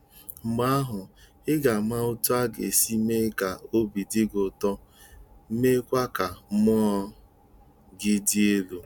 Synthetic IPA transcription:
ŋ͡m̩˨ɡ͡ba˦a˦ɦʊ˨ | ɪ˦ɡa˨ma˦o˦tu˦a˦ɡḛ˨si˦me˦ka˨o˦bi˨dɪ˦ɡʊ˨tɔ˦ | me˦kʷa˦ka˨˦mɔ˦ɔ˦ | ɡɪ˦di˦e˦lu˦

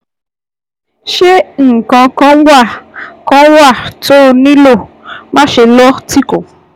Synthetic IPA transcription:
ʃe˦ŋ̩˨kã˧kã˧˦wa˦˨kã˨˦wa˦˨to˦˧nĩ˦lo˦˨ | mã˦ʃe˧lɔ˦ti˦ko˨

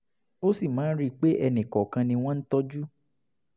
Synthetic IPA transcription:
o˦si˦˨mãː˨˦n̩˦ɾi˦k͡pe˦ʔɛ˧nĩ˨kɔ˨kã˧nĩ˧w̃ɔ̃˦n̩˦tɔ˦d͡ʒu˦

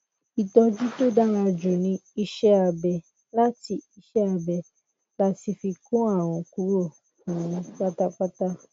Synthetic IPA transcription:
i˨tɔ˧d͡ʒu˦to˦da˦ɾ̃a˧d͡ʒu˨nĩ˧i˧ʃɛ˦a˨˧˨bɛ˨ | la˦ti˧i˧ʃɛ˦a˧bɛ˨ | la˦ti˧fi˧kũ˦a˦˨w̃ɔ̃˨˧ku˧˦ɾo˦˨ | kũ˨ũ˧k͡pa˦ta˦k͡pa˦ta˦

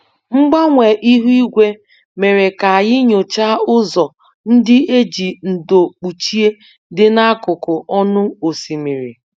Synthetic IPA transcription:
ŋ͡m̩˦ɡ͡ba˦ŋʷe˨ʔi˦ɦu˦i˦ɡʷe˦ | me˨ɾe˨ka˨a˨jɪ˦ɲo˨t͡ʃa˦ʊ˦zɔ˨ | n̩˦dɪ˦e˦d͡ʒi˨n̩˨do˨k͡pu˨t͡ʃi˦e˦ | dɪ˦na˦a˦kʊ˨kʊ˨ʔɔ˦nʊ˦o˨si˨me˨ɾḭ˨

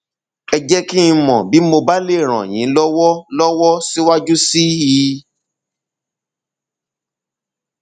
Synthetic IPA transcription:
ɛ˧d͡ʒɛ˦ki˦˧mɔ̃˨bi˨˦mo˧ba˦le˦˨ɾ̃ã̰˨j̃ĩ˨˦lɔ˦wɔ˦lɔ˦wɔ˦si˦wa˦d͡ʒu˦si˦ji˨˦

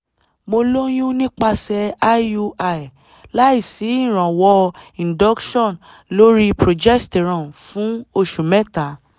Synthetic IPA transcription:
mo˧lo˦j̃ũ˦nĩ˦k͡pa˧sɛ˧a˦u˧a˨i˨ | la˦i˦˨si˨˦ĩ˦˨ɾ̃ã˨wɔ˧ĩ˨dɔ˦kʃɔ̃˦˨n | lo˦ɾi˦pɾo˨d͡ʒɛ˦sti˨ɾã˨fũ˨˦o˧˨ʃu˨mɛ˦ta˨˦

